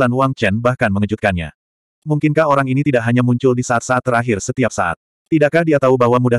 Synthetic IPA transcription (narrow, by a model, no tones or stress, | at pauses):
lanwaŋt͡ʃɛnbahkanməŋəd͡ʒut̪̚kanɲa̰ | muŋkɪnkahoɾaŋinit̪idaʔɦaɲamuɲt͡ʃʊldisaat̪̚saːt̪ːəɾaɦɪrsət̪iap̚sa̰ʔa̰t̪̚ːidaʔkahdiat̪aubaɦwamuda